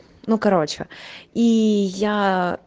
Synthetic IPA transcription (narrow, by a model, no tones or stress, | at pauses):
nukɐɾot͡ʃɐ̰ija